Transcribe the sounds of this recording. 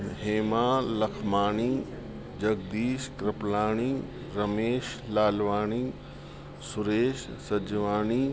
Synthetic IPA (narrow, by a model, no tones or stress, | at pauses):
ɦeːmaːlɐkʰmaːɳ̃iː | d͡ʒɐɡd̪iːʃkɾɪplaːɽ̃iː | ɾɐmeːʃlaːlʋaːɳiː | sʊɾeːʃsɐd͡ʒʋaːniː